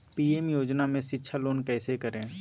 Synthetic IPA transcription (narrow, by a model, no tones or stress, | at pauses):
piːeːmjoːd͡ʒnamẽʃɪtːʃʰaloːnkɛːsekəɾẽː